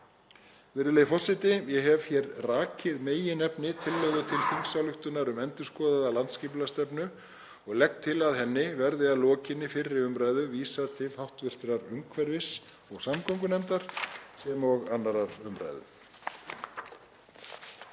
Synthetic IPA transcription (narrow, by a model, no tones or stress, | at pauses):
vɪɾðɪlejfɔ̥sɪt̪ɪjɛɦɛvçjɛɾraːcʰɪðmeːjɪnɛpnɪt̪ʰɪlːœɣðʏt̪ʰɪlfiŋsalʏht̪ʏnaɾʏmɛnt̪ʏ̥skɔːðaðalant̪sciːplast̪ɛpnʏ | ɔɣlɛk̚t̪ʰːɪlaðɦɛnːɪvɛɾðɪaðlɔːcɪnːɪfɪrːɪʏmɾaːjðʏviːsaðt̪ʰɪlhawht̪vɪr̥t̪ɪɾaɾʏmkʰvɛɾvɪs | ɔɣsamkʰɔwŋkʏnɛmt̪aɾ̥sɛmɔɣanːaɾaɾʏmɾa̰jðʏ̰